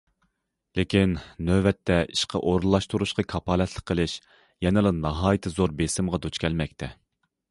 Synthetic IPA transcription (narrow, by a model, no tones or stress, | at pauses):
lekʲinːøwɛt̪ʰːɛiʃqʰɑʔoɾulˠːɑʃt̪uɾuʃqʰɑkʰɑpʰɑːlɛt̪ʰlˠəqʰːəlˠɪʃ | jɛnɨlˠɨnɑɦɑːjit̪ʰɨzoɾbesɪmʁɑd̪ut͡ʃkʲʰɛlmɛk̚ʲt̪ʰɛ